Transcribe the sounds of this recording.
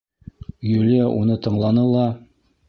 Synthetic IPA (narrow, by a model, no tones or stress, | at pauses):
jʉlijæʔunɤt̪ɤ̆ɴlˠɑnɤlˠɑ